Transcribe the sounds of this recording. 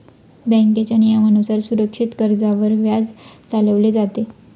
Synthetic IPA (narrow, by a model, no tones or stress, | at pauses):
bə̃ŋket͡ɕanijamənusaɾsuɾəkʂit̪kəɾd͡zaʋəɾʋjad͡zt͡saləʋled͡zat̪e